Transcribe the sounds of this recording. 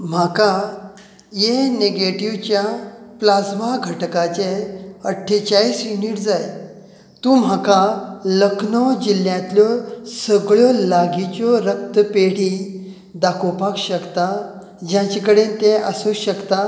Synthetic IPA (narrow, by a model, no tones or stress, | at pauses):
m̤aka | jeneɡeʈiʋt͡ɕjaplasmaɡʱəʈkat͡ɕeəʈʰːet͡ɕaɭiːsjuniːʈd͡zaj | t̪ũːm̤akaləkʰnɔd͡ʑiljãt̪ljɔsəɡɭjɔlaɡit͡ɕɔɾək̚t̪əpeɽ̤i | d̪akʰɔpakɕəkt̪a | d͡ʑjãt͡ɕekəɽent̪ẽəsuɕəkt̪a